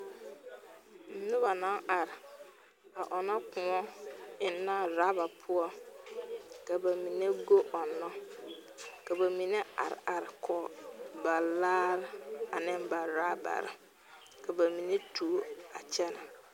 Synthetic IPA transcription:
m̩˨nʊ˦ba˨na˦ŋa˨ɾɪ˨ | a˨ʔɔ˨nɔ˦kʊ˨ŋɔ˦ɪ˨nːa˦ɾa˦ba˨pʰʊ˦ɔ˦ | ka˨ba˨mi˨ne˦ɡo˦ʔɔ˨nːɔ˦ | ka˨ba˨mi˨ne˦a̰˨ɾɪ̰˨ʔa˨ɾɪ˨kʰɔ˨ba˨laː˦ɾɪ˦a˨nɪ˦mba˨ɾaː˦ba̰˨ɾɪ̰˨ | ka˨ba˨mi˨ne˦tʰu˨˦a˨t͡ʃɛ˦na˨

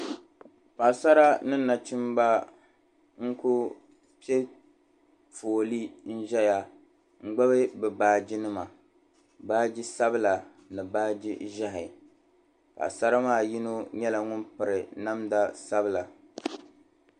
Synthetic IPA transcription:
pa˨sa˦ɾa˦nɨ˦nːa˨t͡ʃɪ˦mba˦ | ŋ̩˦kʊ˦ | pi˦e˦ | foː˨li˦n̩˦ʒɛ˦ja˨ | ŋ̩˦ɡ͡ba˦βɨ˦bɛ˨baː˨˦˨d͡ʒi˦nɨ˦ma˨ | baː˦d͡ʒi˦sa˦bɨ˦la˨ | nɨ˨baː˦d͡ʒḭ˦ʒa˦ɦɪ˨ | pa̰˨sa˦ɾa˦maː˦˨ji˦no˦ɲɛ˦la˨ŋʊ˦npɨ˨ɾɪ˨na˦mda˦sa˦bɨ˦˨la˨

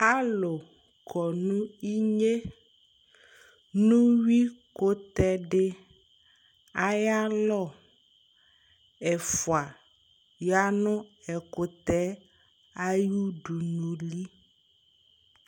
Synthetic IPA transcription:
a˦lo˨ | kʰɔ˨nũ˦i˦ɲe˦ | nũ˦wi˦ko˦t̪ɛ˦ɖe˦ | a˦ja˦lɔ˦˨ | ɛ˨fu˨a˨ | ja˦nɔ̃˦ɛ˨ko˨t̪ɛ˦ | a˦ju˦ɖu˨nũ˨li˦

